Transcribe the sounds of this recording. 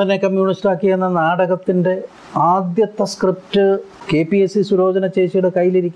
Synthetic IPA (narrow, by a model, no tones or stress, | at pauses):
ɐnekɐmjuːɳistlaːkːijenːɐnaːɽɐɣɐt̪ːinde̞ | aːd̪jɐt̪ːɐskrip̚tɨ | ke̞piesisuɾo̞ːd͡ʑɐnɐt͡ɕe̞ːʂijuɽe̞kɐjːiliɾikʲːm